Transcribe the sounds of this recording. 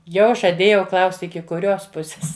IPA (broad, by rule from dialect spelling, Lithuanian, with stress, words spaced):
ˈjɛʊ ʒɐˈdʲeːjɛʊ ˈklˠɐʊsʲtʲ ɪkʲɪ kʊˈrʲoːs ˈpʊsʲeːs